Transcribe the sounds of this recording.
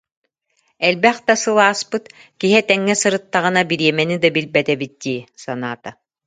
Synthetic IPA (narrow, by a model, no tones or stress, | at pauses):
ɛlbɛχd̪asɯlˠaːspɯt̪ | kiɦɛt̪ɛŋːɛsɯɾɯt̪ːaʁɯnabiɾiɛmɛnid̪abilbɛt̪ɛbit̪̚d̪̥iːsana̰ːt̪a